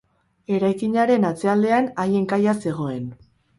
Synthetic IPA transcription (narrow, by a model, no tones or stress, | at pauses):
e̞ɾajkiɲaɾe̞nat͡se̞ald̪e̞anaje̞ŋkajase̞ɣ̞o̞e̞n